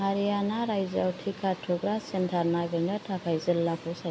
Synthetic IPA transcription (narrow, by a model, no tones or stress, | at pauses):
aɾijanaɾajza̰wtʰikʰatʰɔɡɾasentʰaɾnaɡɯnɯtʰapʰajzəlːapʰɔsa